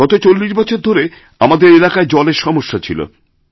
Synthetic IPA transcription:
ɡɔt̪ot͡ɕolːiʃbɔt͡ɕʰoɾd̪ʱoɾe | amad̪eɾelakaed͡ʑɔleɾʃɔmoʃːat͡ɕʰilo̰

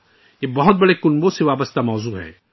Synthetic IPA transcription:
jebɐɦʊt̪̚bɐɽekʊnbõseʋaːbəst̪amɔːzuːɦɛ̰ː

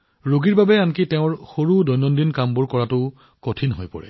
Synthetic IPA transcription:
ɹoɡiɹbabɛankitɛʊ̃ɹxoɹudɔjnɔndinkambuɹkɔɹatʊ | kotʰinɦojpɔ̰ɹɛ̰

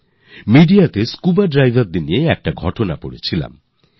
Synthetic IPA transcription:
miɖiat̪eskubaɖɾajbʱaɾd̪inieɛk̚ʈaɡʱɔʈonapo̰ɽet͡ɕʰila̰m

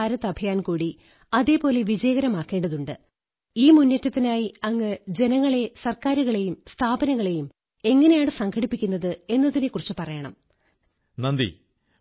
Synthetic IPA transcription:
aːɾɐt̪ːɐbʱɐjaːnkuːɽi | ɐðe̞ːpo̞ːle̞ʋid͡ʑɐjɐɣɐɾɐmaːkːe̞ːɳɖɐðuɳɖɨ | iːmunːɐtːɐt̪ːinaːjiɐŋːɨd͡ʑe̞nɐŋːɐɭe̞sɐrkaːɾuɣɐɭe̞jumst̪ʰaːbɐnɐŋːɐɭe̞jum | e̞ŋːɐne̞jaːɳɨsɐŋkʰɐɽipːikʲːunːɐðɨe̞nːɐðinekːurit͡ɕːɨpɐrɐjɐɳɐ̰m | nɐnd̪ḭ

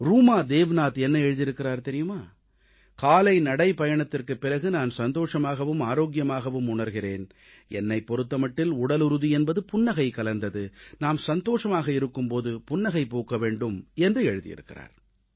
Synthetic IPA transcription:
ɾuːmaːd̪eːʋɐnaːt̪ɛnːɐɛɻɯðɪɾɯkːɪɾaːɾt̪ɛɾɪjɯmaː | kaːlɐɪnɐɽɐɪpɐjɐɳɐt̪ːɪrkɯpːɪrɐɣɯnaːnsɐnd̪oːʂɐmaːɣɐʋɯmaːɾoːk̬jɐmaːɣɐʋɯmʊɳɐɾɣɪreːn | ɛ̰nːɐɪpːɔɾɯt̪ːɐmɐʈːɪlʊɽɐlɯɾɯðiɛnbɐðɯpʊnːɐɣɐɪkɐlɐnd̪ɐðɯnaːmsɐnd̪oːʂɐmaːɣɐɪɾɯkːɯmpoːðɯpʊnːɐɣɐɪpoːkɐʋeːɳɖɯmɛndrɯɛɻɯðɪ̰jɪ̰ɾɯ̰kːɪra̰ːɾ

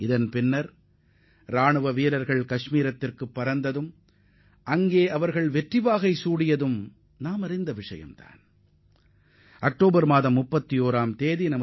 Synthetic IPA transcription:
ɪðɐnpɪnːɐɾ | ɾaːɳɯʋɐʋiːlɐɾɣɐɭkɐʂmiːɾɐt̪ːɪrkɯpːɐɾɐnd̪ɐðɯm | ʔɐŋɡeːʔɐʋɐɾɣɐɭʋɛʈrɪʋaːɣɐɪsuːɽɪjɐðɯm | naːmɐɾɪnd̪ɐʋɪʂɐ̰jɐ̰mt̪a̰ːn | ɐk̚ʈoːbɐɾmaːðɐmːʊpːɐt̪ːioːɾaːmt̪eːðinɐmɐ

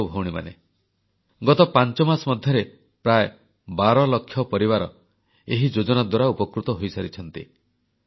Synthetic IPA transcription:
bʱowɽ̃ima̰ne | ɡɔt̪ɔpant͡ʃɔmasɔmɔd̪ʱjɔɾe | pɾaj | baɾɔlɔkʰːjɔpɔɾiβaɾɔ | eɦid͡ʒod͡ʒɔnad̪waɾaupɔkɾut̪ɔɦojsaɾit͡ʃʰɔnt̪ḭ

